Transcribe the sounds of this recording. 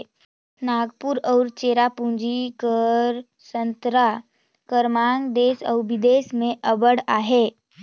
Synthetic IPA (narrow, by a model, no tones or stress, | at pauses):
naːɡpuɾɔʊɾt͡ʃeːɾapũnd͡ʒikəɾ | sə̃nt̪ɾa | kəɾmaːŋɡd̪eːsɔ̰ʊbɪd̪eːsmẽʔəbəɽaːɦeː